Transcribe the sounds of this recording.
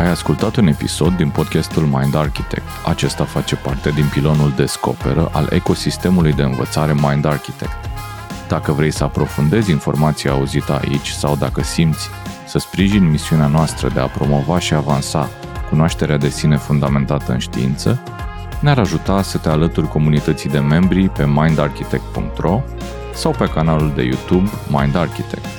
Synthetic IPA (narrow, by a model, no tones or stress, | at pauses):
ajaskult̪at̪une̞pḭso̞d̪ːinpo̞d̪̚kʲast̪ulmajnd̪arkʲit̪e̞̰k̚t̪at͡ʃe̞st̪afat͡ʃe̞part̪e̞d̪inpilo̞nuld̪e̞sko̞̰pe̞̰ɾəʔalʔe̞̰ko̞sist̪e̞mulujd̪e̞ɨnvə̰t̪saɾe̞majnd̪arkʲit̪e̞̰k̚t̪ | d̪̥akəvɾe̞jsəapɾo̞fund̪e̞zʲinfo̞̰rmat̪sijaːuzit̪əa̰ʔḭt͡ʃʲsawd̪akəsimt̪sʲsəspɾiʒinʲmisiuneanoast̪ɾə̰d̪e̞apɾo̞mo̞vaʃiavansa̰ | kunoaʃt̪e̞ɾead̪e̞sine̞fund̪ame̞nt̪at̪əɨ̰nʃt̪ḭḭnt̪sə | neaɾaʒut̪asət̪e̞alət̪urʲko̞munit̪ət̪sijd̪e̞me̞mbɾipe̞majnd̪arkʲit̪e̞k̚t̪̚pṵŋk̚t̪ro̞ | sawpe̞kanaluld̪e̞̰jṵt̪ubma̰jnd̪arkʲit̪e̞k̚t̪